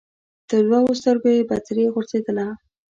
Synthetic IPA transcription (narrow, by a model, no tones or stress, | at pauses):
d̪̥əlwɑɣost̪əɾɡojebat͡sɾeɣoɾzed̪əla